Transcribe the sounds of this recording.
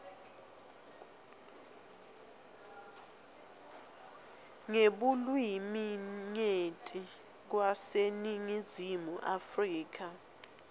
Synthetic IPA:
ŋeɓulwimiŋetʼi | k̬waseniŋizimuʔafriːk̬a

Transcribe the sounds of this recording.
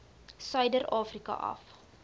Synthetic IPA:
sœjdərʔɑːfrikɐ̰ʔɐ̰f

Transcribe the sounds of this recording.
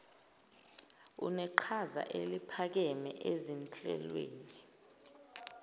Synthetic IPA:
ṵnɛǃʰaza̰ʔelipʰak̬ɛmɛʔezint͡ɬʼɛ̰lwḛːni

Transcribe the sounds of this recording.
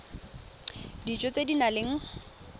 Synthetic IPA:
dit͡ʃʼɔt͡sʼedinaleŋ̩

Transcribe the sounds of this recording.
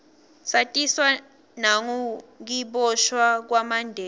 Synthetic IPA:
satʼiswa | naŋuk̬iɓɔʃwak̬wamandʱɛː

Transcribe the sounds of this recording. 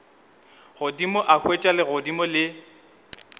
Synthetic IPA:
ɣʊdimɔʔakʰwet͡ʃʼalɪɣʊdimɔlɪ

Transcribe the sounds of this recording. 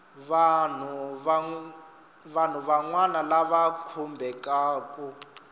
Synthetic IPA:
βan̤u | βan̤uβaŋwanalaβakʰumbʱɛkʼaːkʼu

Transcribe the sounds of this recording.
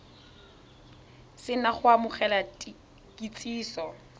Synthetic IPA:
sɪnaχʊamʊχɛlat | kʼit͡sʼiːsɔ

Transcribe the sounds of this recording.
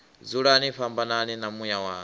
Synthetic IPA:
d͡zuɺaniɸambananinamujawaː

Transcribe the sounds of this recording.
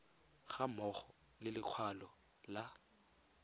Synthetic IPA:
ɣamɔχɔ | lɪlɪq͡χʰwalɔ | la

